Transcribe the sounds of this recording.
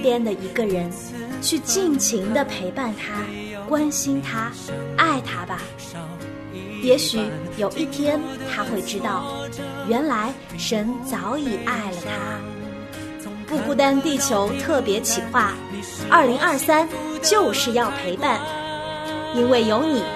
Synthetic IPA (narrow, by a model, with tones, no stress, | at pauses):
t̪jɛ˥nd̪ə˨i˧˥ɡə˧ɻə˧˥n | t͡ɕʰy˥˧t͡ɕi˥˩ŋt͡ɕʰi˧˥ŋd̪ə˧pʰe˧˥ɪpa˥˩nt̪ʰa˥ | kwa˥nɕi˥nt̪ʰa˥ | a˥˩ɪt̪ʰa˥bɐ˨ | jɛ˧˥ɕy˨˩˥jo˨˩ʊʔi˥˩t̪ʰjɛ˥nt̪ʰa˥xwe˥˩ɪʈ͡ʂɻ̩˥t̪ɑ˥˩ʊɥɛ˧˥nla˧˥ɪ | ʂə˧˥nt͡sɑ˧˥ʊi˨˩ʔa˥˩ɪlə˩t̪ʰa˥ | pu˥˧pu˥˩t̪̬a˥nt̪i˥˩t͡ɕʰjo˧˥ʊt̪ʰɤ˥˩pjɛ˧˥t͡ɕʰi˨˩xwa˥˩ | ʔɐ˞˥˩li˧˥ŋʔɐ˞˥˩sa˥nt͡ɕjo˥˧ʊʂɻ̩˥˧jɑ˥˩ʊpʰe˧˥ɪpa˥˩n | i˥nwe˥˩ɪjo˧˥ʊni˨˩˦